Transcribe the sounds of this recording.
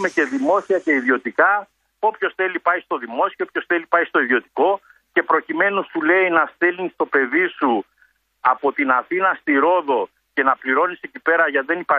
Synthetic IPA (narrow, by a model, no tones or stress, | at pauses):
me̞ce̞ðimo̞siɐce̞iðio̞t̪ikɐ | o̞pço̞sθe̞lipɐist̪o̞ðimo̞sioopço̞sθe̞lipɐist̪o̞iðio̞t̪i̥ko̞ | ce̞pɾo̞cime̞nusule̞inɐst̪elnist̪o̞pe̞ðisu | ɐpo̞t̪inɐθinɐst̪iɾo̞ðo̞ | ce̞nɐpliɾo̞nise̞cipe̞ɾɐʝɐðe̞nipɐ